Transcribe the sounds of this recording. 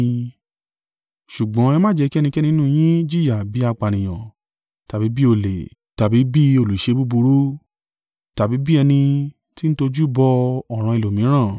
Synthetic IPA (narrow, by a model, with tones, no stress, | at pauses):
ʃu˨ɡ͡bɔ̃˨˦ɛ˧mãː˦d͡ʒɛ˧ki˦˧nĩ˧kɛ˦nĩ˦nũ˦˨˧j̃ĩ˦d͡ʒi˦˨ja˨bi˨˦a˧k͡pa˨nĩ˨j̃ã˨ | ta˨bi˨˦bi˦o˧˨le˨ | ta˨bi˨˦bi˦o˧˨lu˨i˨ʃe˧bu˦bu˧ɾu˦ | ta˨bi˨˦bi˦ɛ˧nĩ˧ | ti˦ñ̩˦to˧d͡ʒu˦bɔ˧ɔ˦˨ɾ̃ã˧i˨lo˨mĩ˨˦ɾ̃ã˦˨